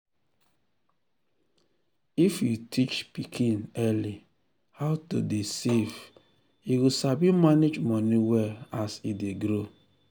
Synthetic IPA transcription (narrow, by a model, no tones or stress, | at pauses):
ifjutʰit͡ʃpikʰinɛli | haʊtṵdesev | iwisabimaned͡ʒmɔniwɛlasideɡɾo